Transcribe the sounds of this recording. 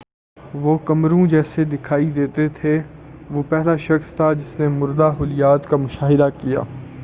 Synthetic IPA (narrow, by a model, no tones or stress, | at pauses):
ʋoːkɐmɾũd͡ʒɛːsed̪ɪkʰaːid̪eːt̪et̪ʰe | ʋoːpɛɦlaʃɐxst̪ʰad͡ʒɪsnemʊɾd̪aɦʊlɪjaːt̪kamʊʃaːɦɪd̪akija̰ː